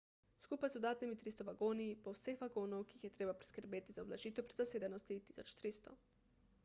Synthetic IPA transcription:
skupajzd̪od̪aːt̪nimit̪ɾist̪oʋaɡoːniipowsexʋaɡoːnowkijixjet̪ɾebapɾi̥skəɾbeːt̪izaoblaʒiːt̪ɛpɾed̪zaseːd̪anost̪it̪i̥sot͡ʃt̪ɾist̪o

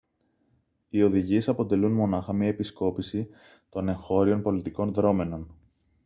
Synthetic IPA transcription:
io̞ðiʝie̞sɐpo̞t̪e̞lunmo̞nɐxɐmɲɐe̞pisko̞pisi | t̪o̞ne̞ŋxo̞ɾio̞npo̞lit̪iko̞nðɾo̞me̞no̞n

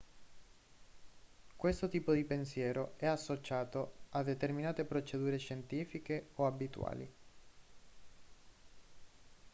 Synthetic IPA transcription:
kwest̪ot̪iːpod̪ipensjɛːɾoɛasːot͡ʃaːt̪oad̪et̪erminaːt̪epɾot͡ʃed̪uːɾeʃent̪iːfikeoabit̪w̰a̰ːlḭ

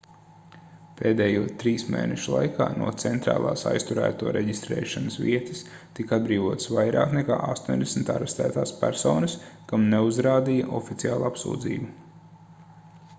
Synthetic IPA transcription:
peːd̪ɛːjuɔt̪ɾiːsmḛːnɛʃulˠa̰jkaːnṵɔt̪sɛnt̪ɾa̰ːlˠaːsa̰jst̪uɾæ̰ːt̪uɔɾʔɛɟist̪ɾɛ̰ːʃanəsviɛt̪i̥s | t̪ikad̪̚bɾiːʋuɔt̪svajɾa̰ːknekaːʔast̪uːnʲd̪esm̩t̪a̰ɾɛst̪æ̰ːt̪aːspʲæɾsɔːnɐskamneuzɾaːd̪ijɐʔɔfit̪siaːlˠuapsṵːd̪zḭːbu

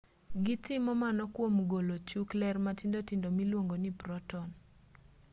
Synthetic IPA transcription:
ɡɪtɪmɔmanɔkwomɡolot͡ʃuklɛrmatindotɪndomilwoŋɡonipɾɔtɔn

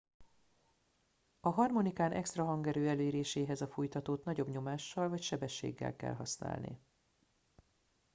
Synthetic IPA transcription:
ɒɦɒrmo̞nikaːnʔɛkst̪rɒɦɒŋɡɛɾøːɛleːɾeːʃeːɦɛzɒfujt̪ɒt̪oːt̪nɒɟo̞bɲo̞maːʃːɒlvɒcʃɛbɛʃːḛːɡːɛ̰lkɛ̰lɦɒ̰sna̰ːlnḭ

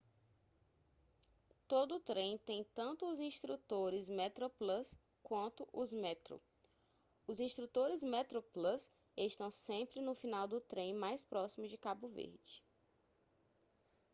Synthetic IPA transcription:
t̪od̪ʊːt̪ɾẽj̃t̪ẽj̃t̪ɐ̃nt̪ʊːzĩʃt̪ɾut̪oɾɪzmɛt̪ɾoplɐs | kwɐ̃nt̪ʊʔʊzmɛt̪ɾo̰ | ʊzĩst̪ɾut̪oɾɪzmɛt̪ɾoplɐs | eʃt̪ɐ̃w̃sẽmpɾɪnʊfinawd̪ʊt̪ɾẽj̃majspɾɔsimʊzd͡ʒɪkabʊvḛɾd͡ʒɪ

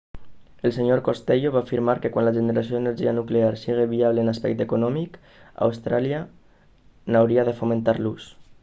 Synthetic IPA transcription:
elˠseɲoɾkost̪eʎoβaːfiɾmaɾkekwanlaʒeneɾasioeneɾʒianukleaɾsiɣ̞eβiaβleːnaspɛ̰k̚t̪ekunɔmik | a̰wst̪ɾalia | nawɾiaðefomẽnt̪aɾlus

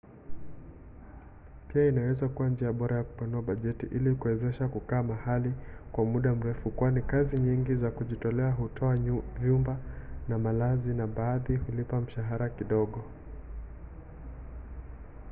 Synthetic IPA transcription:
piainawɛzakuwand͡ʒiaɓɔɾajaku̥panuaɓaʄɛtiʔilikuwɛzɛʃakukaːmahalikwamuɗam̩ɾɛfukwanikaziɲiŋɡizakuʄitɔlɛaɦutʰɔavjumbanamalazinaɓaːðihulipam̩ʃaɦaɾakiɗɔɠɔ

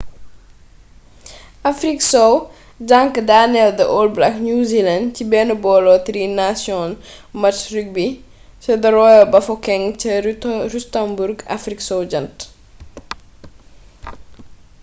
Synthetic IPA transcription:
ʔafɾiksɔw | ɟaŋkədanɛldəʔɔːl̚blaknuzilɐndcibɛːnubɔːlɔt̪ɾinasjɔnmɐtrik̚bi | sɐdɐɾɔːjɔbɐfɔkɛŋt͡ʃəɾustambuɾɡa̰fɾiksɔwɟɐnt

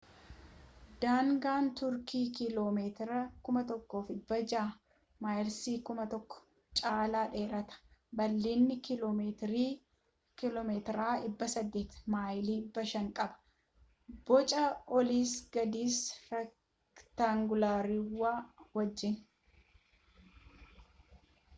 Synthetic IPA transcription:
d̪̥aːŋɡaːnt̪ʊɾkiːkɪloːmeːt̪ɾɐkʊmɐt̪ɔkːo̞ːfɪbːɐd͡ʒaː | maːjɪlsiːkʊmɐt̪ɔkːɔ̥ | t͡ʃʼaːlaːᶑe̞ːɾɐt̪ɐ̥bɐlːiːnːɪkɪloːmeːt̪ɾiː | kɪloːmeːt̪ɾaːɪbːɐsɐd̪ːeːt̪maːjliːɪbːɐʃɐŋkʼɐbɐ̥ | b̥ɔt͡ʃʼɐɔliːsɡɐd̪iːsɾɛ | t̪aŋɡʊlaːɾɪwːaːwɐd͡ʒːɪn

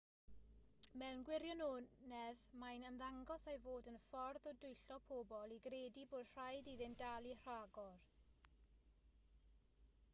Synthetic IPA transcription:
mɛwnɡwɪɾjɔnunɛðmajnəmðaŋɡɔsajvoːdənfɔrðɔdʊjɬɔpʰoːbɔlˠiɡreːdiboːd̥r̥ajdiðɪndalˠir̥aɡɔr

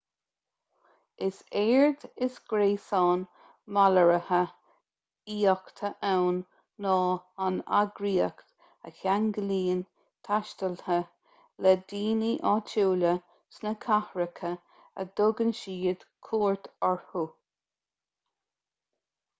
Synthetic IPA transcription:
ɪseːɹd̪ɪsɡ̥ɾeːsɑːn | maləɹəhə | iːɔkt̪ʰəʔawnː | ɔːana̰ɡɾiːəkt̪ | əkaŋɡəliːn | t̪ʰaʃt̪əlhə | lɛd̪iːniʔɑːt͡ʃʰuːlə | snəkʰahɹəkʰə | ə̰d̪̥ʊɡənʃiːəd̪̥kʰuːɹt̪ʰaɹhu

